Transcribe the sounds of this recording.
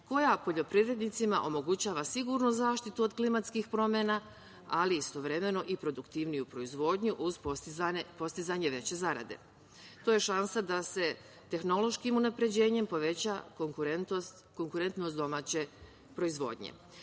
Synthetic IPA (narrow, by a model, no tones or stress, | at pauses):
ko̞japo̞ʎo̞pɾiʋɾe̞d̪nit̪sima̰ʔo̞mo̞ɡut͡ɕaːʋasiɡuɾnuzaːʃt̪it̪uod̪klimat̪skixpɾo̞mjena | aliːst̪o̞ʋɾe̞me̞no̞ʔipɾo̞d̪ukt̪iʋnijupɾo̞izʋo̞ːd̪ɲuʔuz | po̞st̪izaɲe̞ʋe̞t͡ɕe̞zaɾa̰d̪e̞̰ | t̪oje̞ʃansad̪ase̞ | t̪e̞xno̞lˠo̞ʃkimunapɾe̞d͡ʑe̞ːɲe̞mpo̞ʋe̞t͡ɕa | t̪ | ko̞ŋkuɾe̞nt̪nosd̪o̞maːt͡ɕe̞ | pɾo̞izʋo̞̰ːd̪ɲḛ